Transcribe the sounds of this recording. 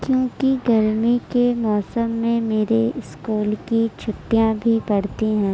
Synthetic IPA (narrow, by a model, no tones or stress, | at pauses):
kjõːkiɡɐɾmikemɔːsəmːẽmeːɾeɪskuːlkit͡ʃʰʊt̪ːjãbʱipɐɽt̪iɦɛ̃ː